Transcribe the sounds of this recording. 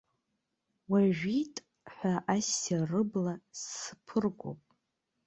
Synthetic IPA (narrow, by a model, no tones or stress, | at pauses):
waʒᶣitʼ | ħʷaʔasarɨblasɨpʰɨrɡʷo̰pʼ